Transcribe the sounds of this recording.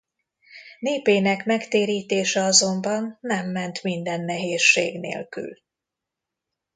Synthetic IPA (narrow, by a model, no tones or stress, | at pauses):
neːpeːnɛkmɛkt̪eːɾiːt̪eːʃɛɒzo̞mbɒnːɛmːɛnt̪mind̪ɛnːɛɦeːʃːḛːɡnḛːlky̰l